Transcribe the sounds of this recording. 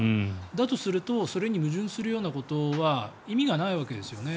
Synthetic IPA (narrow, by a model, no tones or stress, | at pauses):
d̪at̪o̞sɨɾɯ̟t̪o̞so̞ɾe̞ɲ̟imɯ̟ʑɨ̃ɰ̃sɨɾɯ̟jo̞ːnako̞t̪o̞βa | imʲiɡanaiβake̞d̪e̞sɨjo̞ne̞